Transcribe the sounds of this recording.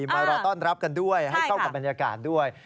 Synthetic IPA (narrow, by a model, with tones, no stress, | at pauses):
maː˧ɾɔː˧t̪ɔː˥˩nɾa˦˥p̚ka˧ndu˥˩əjɦa˥˩jkʰa˥˩wka˨˩p̚ba˧njaː˧kaː˨˩t̪̚du˥˩əj